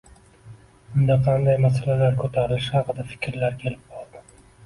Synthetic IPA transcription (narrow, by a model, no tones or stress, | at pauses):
ʊnd̪aqʰɑnd̪ajmasalalaɾkʰot̪ʰaɾɪlɪʃhɑqɨd̪afɪ̥kʲɾlaɾkʲʰe̞lɪp̚bɒlˠd̪ɪ